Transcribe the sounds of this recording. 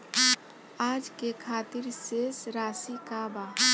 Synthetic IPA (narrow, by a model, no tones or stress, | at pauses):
aːd͡ʒkekʰaːt̪ɪɾsesɾaːsikabaː